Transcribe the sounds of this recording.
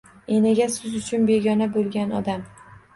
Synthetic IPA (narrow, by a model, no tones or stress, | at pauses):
enɪɡʲasʊzʊt͡ʃʰʊnbe̞ɡʲɒnabolˠɡʲanɒd̪am